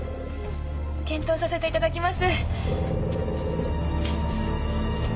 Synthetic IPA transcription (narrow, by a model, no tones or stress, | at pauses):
kẽ̞nt̪o̞ːsase̞t̪e̞it̪ad̪akʲimasɨ